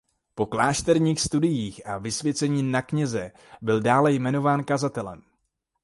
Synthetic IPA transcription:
po̞klaːʃt̪ɛɾɲiːxst̪udɪjiːxʔavɪsvjɛt͡sɛɲiːnakɲɛzɛ | bɪldaːlɛjmɛno̞vaːnkazat̪ɛlɛ̰m

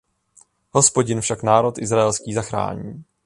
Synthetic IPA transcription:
ɦo̞spo̞ɟɪnfʃaknaːɾo̞t̪ʔɪzɾaɛlskiːzaxɾa̰ːɲiː

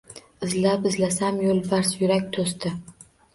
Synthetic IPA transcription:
ɪzlapɪzlasamjolˠvaɾsjʊɾakʲt̪ʰost̪ɪ

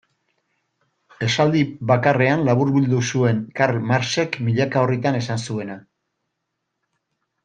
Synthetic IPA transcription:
e̞sald̪iβakare̞anlaβuɾβild̪usue̞ŋkaɾmaɾse̞kmiʎakaorit̪ane̞sansue̞na

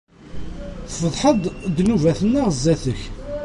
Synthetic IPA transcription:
θfəðˤħəd̪ˤd̪nuvæθənːəʁzːæθəç

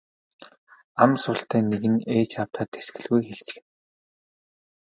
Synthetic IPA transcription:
amsʊɬt̪æːneɣɘ̆neːt͡ɕawt̪χaːt̪esɡɘ̆ɮɣujxeɮt͡ɕɪ̆x̆

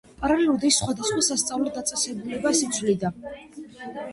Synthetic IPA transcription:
pʼaɾaliud̪isχwad̪asχwasast̪sʼavlɔd̪at̪sʼɛsɛbulɛbasit̪sʰwlid̪a

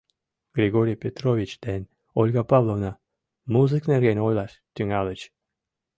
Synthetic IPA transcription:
ɡ̥ɾʲeɡoɾʲijpʲet̪rovʲit͡ɕd̪̥enʲ | olʲɡɑpɑvlˠovnɑ | muzɨknerɡenʲojlˠɑʃ | t̪ʲyŋɑlˠət͡ɕ

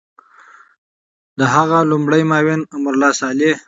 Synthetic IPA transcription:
d̪əɦaɣalʊmɽəjmɑwɪnamʊɾlɑsɑle

